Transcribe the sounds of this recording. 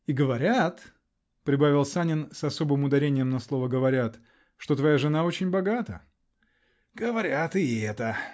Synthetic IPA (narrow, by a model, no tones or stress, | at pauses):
iɡəvɐɾʲat̪ | pɾʲɪbavʲɪlˠsanʲɪnsɐso̞bɨmʊd̪ɐɾʲenʲɪjəmnɐslˠo̞vəɡəvɐɾʲat̪ | ʂt̪o̞t̪vɐjaʐɨnao̞t͡ɕɪnʲbɐɡat̪ə̰ | ɡ̥əvɐɾʲat̪ɨɛt̪ə